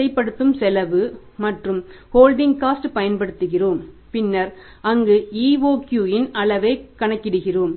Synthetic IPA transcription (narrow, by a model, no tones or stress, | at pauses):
sɐɪpːɐɽɯt̪ːɯmsɛlɐʋɯ | mɐʈrɯmhoːlɖɪŋkaːsʈpɐjɐnpɐɽɯt̪ːɯɣɪroːm | pɪnːɐɾ | ɐŋɡɯiːʋoːkjuːjɪnɐɭɐʋɐɪkːɐɳɐkːɪɽɯɣɪroːm